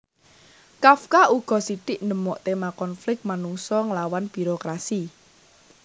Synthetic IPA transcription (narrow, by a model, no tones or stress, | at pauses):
kafkauɡ̥ɔ̤sit̪ɪʔnəmɔʔt̪emakɔnflɪk̚t̪̚manuŋsɔŋəlawanb̥i̤ɾokɾasi